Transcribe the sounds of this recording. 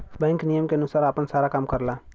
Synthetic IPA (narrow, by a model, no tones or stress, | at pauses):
bɛ̃ːŋknijəmkeənusaːɾapənsaːɾakaːmkəɾla